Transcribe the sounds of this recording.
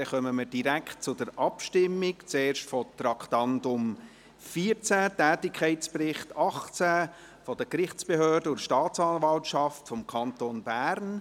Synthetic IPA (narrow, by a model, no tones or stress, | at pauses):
ɛχœməməɾd̥iɾækʰt̚t͡sʊdəɾɑpʃtɪmːɪkt͡seːɾʃtfɔt̪ɾɑkχtɑndʊm | fiːət͡sætɛːtɪkʰɛɪtt͡sprɪχtɑχt͡sæ | fɔd̥əkɾɪχt͡sb̥eɦøːɾdəʊʃtɑːt͡sɑnvɑltʃɑftfɔmkʰɑntoːnbæːɾn